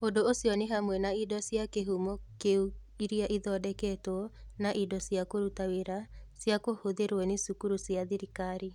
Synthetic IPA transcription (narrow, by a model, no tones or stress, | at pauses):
odoosjɔneɦamwɛnaidɔsjakeɦumɔkeuiɾiaʔiðɔdɛkɛtɔnaʔidɔsjakoɾutaweɾasjakohoðeɾwɛnesukuɾusjaðiɾikaɾi